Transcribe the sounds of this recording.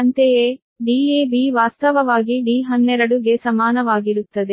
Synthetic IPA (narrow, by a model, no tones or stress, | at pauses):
ɐnt̪ejeː | ɖiːeːbiːʋaːst̪ɐʋɐʋaːɡiɖiːɦɐnːɛɾɐɽuɡesɐmaːnɐʋaːɡiɾut̪ːɐd̪e